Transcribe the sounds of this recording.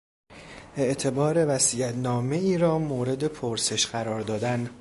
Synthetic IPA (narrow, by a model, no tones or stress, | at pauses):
ʔe̞ʔt̪ʰe̞bɒːɾe̞væsiːjæt̪nɒːme̞iːɾɒːmoːɾe̞d̪e̞pʰoɾse̞ʃɢæɾɒːɾd̪ɒːd̪æn